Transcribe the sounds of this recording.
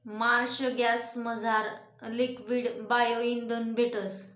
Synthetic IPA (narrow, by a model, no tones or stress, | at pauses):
maɾɕəɡjasməd͡zʱaɾ | likʋiːɽbajoind̪ənbʱeʈəs